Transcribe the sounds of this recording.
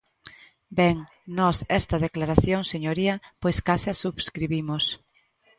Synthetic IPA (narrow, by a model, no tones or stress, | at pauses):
bɛŋ | nɔsɛst̪ɐðeklaɾaθjoŋseɲoɾiɐpojskasɪasuβskɾiβimos